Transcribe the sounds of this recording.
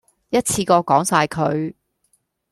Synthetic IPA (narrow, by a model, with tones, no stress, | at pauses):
jɐ˥t̚t͡sʰiː˧kɔː˧kɔː˨˥ŋsaː˧jkʰɵ˨˧ɥ